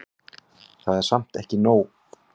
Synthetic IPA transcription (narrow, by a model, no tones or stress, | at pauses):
θaðɛɾ̥sam̥t̪ɛhcɪnoːw